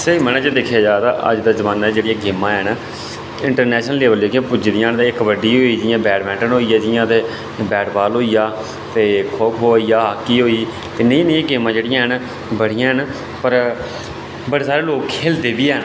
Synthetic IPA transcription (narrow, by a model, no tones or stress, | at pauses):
seimənaːd͡ʒed̪ekʰjaːd͡ʒaːt̪aːʔə̰d͡ʒd̪aːzəʋaːnad͡ʒeːɽɪjãːɡeːmːãːɦɛn | ɪɳʈəɾnɛːʃnəlːeːbəld͡ʒeːkiãːpʊd͡ʒd̪ijãːnt̪eɪkʋəɖiːɦoːiːd͡ʒɪjãːbɛːʈmɛ̃ːɳʈənɦoːijaːd͡ʒɪjãːt̪eː | bɛːʈbaːlɦoːiːjaː | t̪eːkʰokɦoːiːaːɦaːkːiːɦoːiː | t̪eːnəĩːnəĩːɡeːmãːd͡ʒeːɽɪjãːɦən | bəɽ̤ɪjãːɦən | pəɾ | bəɽeːsaːɾeːloːkkʰeːld̪eːbiːɛn